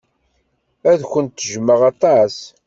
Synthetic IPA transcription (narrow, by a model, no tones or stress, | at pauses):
æðçʷənt̪ːəʒməʁɑt̪ˤɑs